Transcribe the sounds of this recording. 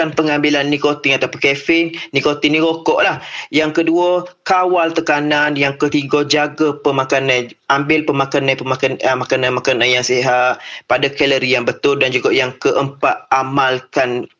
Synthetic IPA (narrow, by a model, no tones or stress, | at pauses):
anpəŋambilanːikot̪ɪŋat̪apakefɪnːikot̪iŋniɾokɔʔlahjaŋkəduəkawalt̪əkananjaŋkət̪iɡəd͡ʒaɡəpəmakanaj | ʔambɪlpəmakanajpəmakanəmakanamakananjaŋseɦaʔpadakɛləɾijaŋbət̪ʊldand͡ʒuɡaʔjaŋkəʔəmpaʔ̪̚amalkan